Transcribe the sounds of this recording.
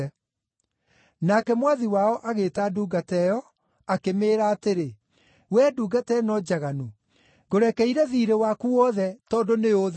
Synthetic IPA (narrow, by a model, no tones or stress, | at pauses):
nakɛmwaðiwaɔʔaɣeːtaːduɡatɛjɔ | akemeːɾaːteɾe | wɛːduːɡatɛnɔd͡ʑaɣanu | ɡoɾɛkɛiɾɛðiːɾewakuɔðɛtɔːndonejo